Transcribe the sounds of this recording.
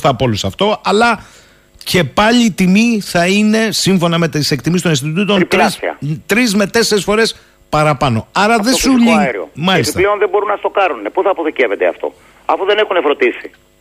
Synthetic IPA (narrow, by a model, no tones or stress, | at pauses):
θɐpo̞lusɐft̪o̞ɐlɐ | ce̞pɐʎiːt̪imiθɐine̞siɱfo̞nɐme̞t̪ise̞k̚t̪imist̪o̞ninst̪it̪ut̪onilɾisḭɐ̰t̪ɾizme̞t̪e̞seɾisfo̞ɾe̞s | pɐɾɐpɐno̞ɐɾɐðesuʎiɾio̰mɐlist̪ɐle̞o̞nðebo̞ɾunɐst̪o̞kɐɾnunepuθɐːpoðiceve̞t̪eɐ̰ft̪o̞̰ | ɐfuðe̞nexunefɾo̞d̪isi